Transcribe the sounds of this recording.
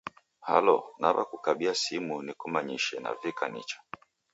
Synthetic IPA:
ha̰lɔnaβa̰kukaɓiasimunikumaɲiʃɛna̰vikanḭt͡ʃḁ

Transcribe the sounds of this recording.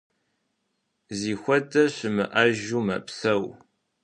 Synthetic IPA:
ziːxʷɐdɐɕɪmɨʔɐʒuːmɐ̰psɐw

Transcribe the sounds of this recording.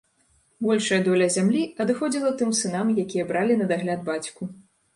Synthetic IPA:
bɔlʲʂɐjɐd̪ɔlʲɐzʲamlʲiɐd̪ɨxɔd͡zʲilˠɐt̪ɨmsɨnamjakʲijɐbɾalʲinɐd̪aɣlʲad̪bat͡sʲku

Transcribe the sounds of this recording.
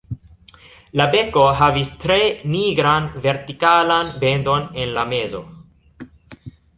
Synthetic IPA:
labe̞ko̞ɦavistɾe̞niɡɾanve̞ɾtikalanbe̞ndo̞ne̞nlame̞zo̞

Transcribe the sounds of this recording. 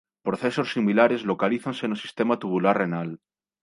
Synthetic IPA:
pɾoθeso̞sːimilaɾe̞zlokaliθansenosist̪emat̪uβulaɾrenal

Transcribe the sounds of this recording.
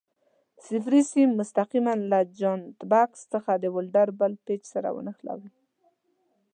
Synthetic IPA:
sɪfɾisimʊst̪aqimanlad͡ʒont̪bakst̪əxad̪əwʊlɖaɾbəlpet͡ʃsaɾa̰wə̰nəxla̰wi

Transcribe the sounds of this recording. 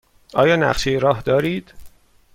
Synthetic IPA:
ʔɒːjɒːnæ̰ɢʃejeɾɒːɦd̪ɒːɾiːd̪̥

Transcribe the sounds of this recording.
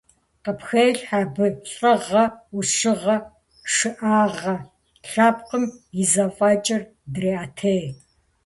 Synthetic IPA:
qɐpxejɬħaːbɨɬʼɐʁɐuʂɨʁɐ | ʂɨʔaːʁɐ | ɬaːpqəmjizɐfʼɑːt͡ʃʼɪr | dreːaːtʰej

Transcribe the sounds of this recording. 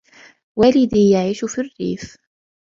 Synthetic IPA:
wæːlɪd̪iːjaʕiːʃʊfirːḭːf

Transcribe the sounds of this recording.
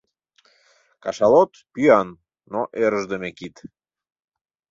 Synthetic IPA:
kɑʃɑlot̪pyɑnː | oʔeɾəʒd̪emekit̪

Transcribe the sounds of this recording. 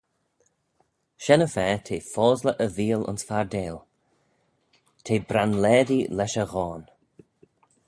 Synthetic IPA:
ʃɛnəfɛːtʰeːfɔːzləʔəviːəlʊ̰nsfaɹdeːl | tʰeːbɾanlɛːd̪ilɛʃəɣɔːn

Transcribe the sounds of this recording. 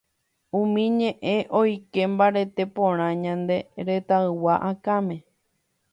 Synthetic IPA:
ũmĩɲẽʔẽ̞ʔo̞jke̞mbaɾe̞t̪e̞põɾ̃ãɲãnd̪e̞ɾe̞t̪aɨwaʔakãmẽ̞

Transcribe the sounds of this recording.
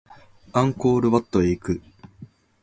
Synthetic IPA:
ãŋkoːɾɯ̟βat̪ːoeikɯ̟

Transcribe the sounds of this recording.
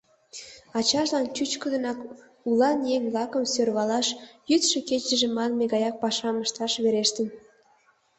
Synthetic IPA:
ɑt͡ɕɑʃlɑnt͡ɕyt͡ɕkəd̪ə̆nɑk | ulɑnjeŋʲblɑkəmsørβɑlɑʃjyt̪ʃeket͡ɕə̆ʒĕmɑnmeɣɑjɑk̚pɑʃɑməʃt̪ɑʃβeɾeʃt̪ə̆n

